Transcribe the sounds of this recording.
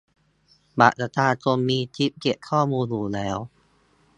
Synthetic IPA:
ba̰ː˨˩ʔ̚sa˧t̪ʰaː˧t͡ɕo˧mːiː˧t̪ʰi˦˥p̚ke˨˩p̚kʰɔː˥˩muː˧njuː˧nlɛː˦˥w

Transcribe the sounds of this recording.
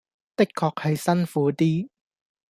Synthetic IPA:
t̪ɪ˥kʰːɔː˧k̚hɐ˨jsɐ˥nfuː˨˥t̪iː˥

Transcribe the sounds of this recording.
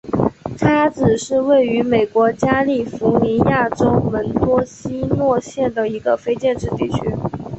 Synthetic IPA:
ʈ͡ʂʰa˥t͡sɹ̩˨˩ʂɻ̩˥˧we˥˩ɪy˧˥me˨˩ɪkwɔ˧˥t͡ɕja˥li˥˩fu˧˥ni˧˥ja˥˩ʈ͡ʂo˥ʊwə˧˥nt̪wɔ˥ɕi˥nwɔ˥˧ɕjɛ˥˩nd̪ə˩i˧˥ɡə˧fe˥ɪt͡ɕjɛ˥˧nʈ͡ʂɻ̩˥˧t̪i˥˩t͡ɕʰy˥

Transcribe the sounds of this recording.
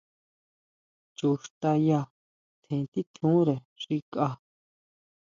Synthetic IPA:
t͡ʃu˨ʂt̪a˧ja˧ | t̪ʰẽ˨˧t̪i˦t̪ʰũ˦ɾe˨ | ʂi˧kʼa˧

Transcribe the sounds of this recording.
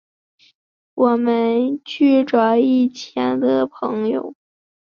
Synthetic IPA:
wɔ˨˩mə˦˥nt͡ɕy˥˩ʈ͡ʂwa˨˩i˥˩t͡ɕʰjɛ˧˥nd̪ə˧pʰɤ˧˥ŋjo̰˧˩ʊ

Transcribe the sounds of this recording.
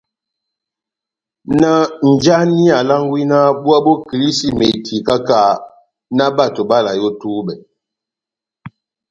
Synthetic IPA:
na˦n̩˨d͡ʒa˦ni˦a˨la˦ŋ˦ɡwi˦na˦bu˦a˦bo˦kli˦si˦me˨tʰi˨ka˦ka˦˨ | na˦ba˦˨to˨ba˦˨la˨jo˦tuː˦bɛ˨

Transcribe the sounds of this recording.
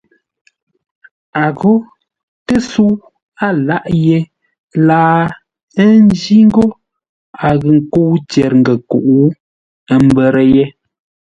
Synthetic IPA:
a˨ɣo˦ | tə˦su˦w | a˦˨la˦ʔje˦ | laː˦ | ə˦n˦d͡ʒi˦ŋ̩˦ɡo˦ | a˨ɣə˨ŋ̩˨ko˦wt͡ʃɛ˨ɾŋ̩˨ɡə˨ku˨ʔu˦ | ə˦˨m˦bɛ˨ɾə˦je˦

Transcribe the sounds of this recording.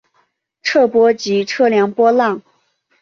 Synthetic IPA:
ʈ͡ʂʰɤ˥˩pwɔ˥t͡ɕi˧˥ʈ͡ʂʰɤ˥˩ljɑ˧˥ŋpwɔ˥lɑ˥˩ŋ

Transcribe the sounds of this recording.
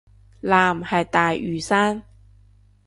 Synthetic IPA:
laː˨mhɐ˨jt̪aː˨jʔyː˨˩saː˥n

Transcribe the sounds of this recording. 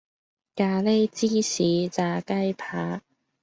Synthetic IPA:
kaː˨˧le˥jt͡siː˥siː˨˧˥t͡saː˨˧kɐ˥jpʰaː˨˥

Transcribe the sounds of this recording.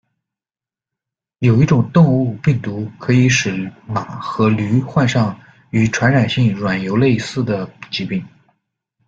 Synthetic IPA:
jo˨˩ʊi˥˩ʈ͡ʂʊ˨˩ŋt̪ʊ˥˧ŋu˥˧pi˥˩ŋt̪u˧˥kʰɤ˧˥i˧˥ʂɻ̩˨˩ma˨˩˦xɤ˧˥ly˧˥xwa˥˧nʂɑ˥˩ŋ | y˧˥ʈ͡ʂʰwa˧˥nɻa˨˩nɕi˥˩ŋɻwa˨˩njo˧˥ʊle˥˧ɪsɹ̩˥˩d̪ə˩t͡ɕi˧˥pi˥˩ŋ

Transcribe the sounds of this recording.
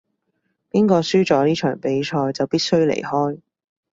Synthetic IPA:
piː˥nkɔː˧syː˥t͡sɔː˨˥niː˥t͡ʃʰœ̰ː˨˩ŋpe˨˥jt͡ʃʰɔː˧jt͡sɐ˨˩wpiː˥t̚sɵ˥ɥlḛ˨˩jhɔː˥j

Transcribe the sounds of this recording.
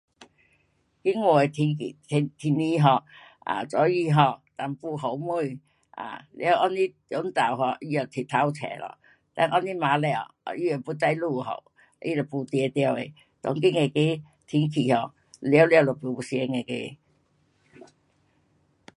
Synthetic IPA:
kɪ˥ŋwɔː˧˩e˨t̪ʰi˧i˨t̪ʰt̪ʰi˧ni˧ɦɔ˧˩k̚ | a̰ː˨˩t͡sɔ˨˥ji˧ɦɔ˧k̚t̪a˨˩mpu˧ɦo˨˩wmu˧˩j | ʔa̰˨˩lɛ̰˧˨ə˧wʔɔ˧˥ni˦˥ | jʊ˨˥ŋt͡sa˨˩wɦɔ˧ki˧ja˨˩t̪ʰi˨t̪ʰa˧˥wt͡sʰɛ̰ː˨˩lɔ̰˧˨ | t̪ɛ̰˧˥˦ʔɔ˧ni˦˥maː˨˦lɛ˧˨ɔ˨˧ji˧˩ɔ˨˩pu˧˦t͡sa˧jluː˧˩˨ɦo̰˨˩w | ʔḭ˧lɔ˨˩pu˧t̪i˧t̪i˧ə˧we˨˧ | t̪ɔ̰˨˦ŋk̬i˦˥ŋe˨˧ke˧˥ | t̪ʰi˨˥ŋkʰi˨˩hɔ˨˧˩k̚ | lɛ˧˦wlɛ˧wlɔ˨˩pi˧˦u˧si˧ɛ˧ŋe˨kḛ˧˦

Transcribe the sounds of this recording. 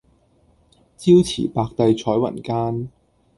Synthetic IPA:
t͡siː˥wt͡sʰḭː˨˩paː˧k̚t̪ɐ˧jt͡ʃʰɔː˨˥jwɐ̰˨˩nkaː˥n

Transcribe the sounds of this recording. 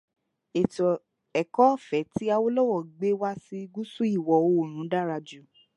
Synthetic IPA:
ɛ˨kɔ˨˦˨fɛ˨˦ti˦a˧wo˦lɔ˦wɔ˦˨ɡ͡be˦wa˦si˧ɡu˦su˦i˦˨wɔ˨o˧˨ɾ̃ũ˨˦da˦˨ɾa˧d͡ʒu˨

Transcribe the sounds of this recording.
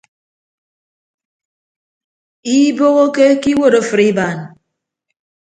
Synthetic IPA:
i˦bo˦ɣo˦ke˦ki˦wo˦ɾo˦˨fɨ˨ɾi˦ba˨n˨

